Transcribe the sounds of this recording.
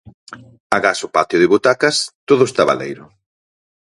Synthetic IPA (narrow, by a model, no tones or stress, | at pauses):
aɣasʊpat̪joðɪβot̪akɐst̪oðʊst̪aβa̰lḛjɾʊ